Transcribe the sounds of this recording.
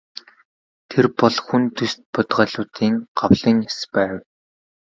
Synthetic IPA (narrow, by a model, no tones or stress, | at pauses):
t̪ʰerpɔɮxunt̪ʰɵst̪̚pʊt̪ʁœːɮʊːt̪iːŋɢ̥awɮĭŋaspæːw